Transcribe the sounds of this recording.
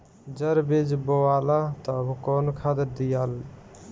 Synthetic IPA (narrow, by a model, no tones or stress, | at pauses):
d͡ʒəɾbed͡ʒboalat̪ɔbukonkʰad̪əɾd̪ijal